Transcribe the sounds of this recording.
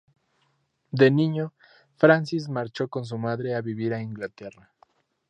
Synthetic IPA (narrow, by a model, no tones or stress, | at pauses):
d̪e̞nĩɲo | fɾansis̬maɾt͡ʃo̞ko̞ns̬umaðɾe̞aβiβiɾaiŋɡlat̪e̞ra